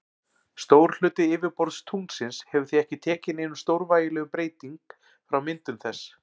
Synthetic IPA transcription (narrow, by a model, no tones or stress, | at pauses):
st̪oːwɾ̥l̥ʏːt̪ɪɪːvɪɾpɔɾt̪st̪ʰuŋt̪sɪnshɛvʏ̥θiɛhcɪt̪ʰɛːcɪnɪnːʏst̪owɾvaːjɪlɛːɣʏpɾeːjt̪iŋk | fɾawmɪnt̪ʏmθɛsː